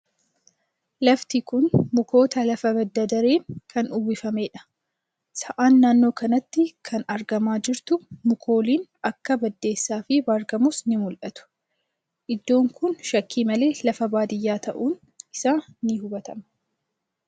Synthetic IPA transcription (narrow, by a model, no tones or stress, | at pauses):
lɐft̪ɪkʊnmʊko̞ːt̪ɐlɐfɐbɐd̪ːɐd̪ɐɾeːnkʰɐnʊbɪfɐme̞ːᶑɐ̥ | sɐʔaːnːaːnːo̞ːkɐnɐt̪ːɪkʰɐnɐɾɡɐmaːd͡ʒɪɾt̪ʊmʊkʰo̞ːliːnɐkːɐbɐd̪ːe̞ːsːaːfɪbaːɾɡɐmʊsnɪmʊlʔɐt̪ʊ̥ | ʔɪd̪ːo̞ːŋkʊnʃɐkʰːiːmɐle̞ːlɐfɐbaːd̪ɪjːaːt̪ɐʔuːn | ɪsaːnɪɦʊbɐt̪ɐmɐ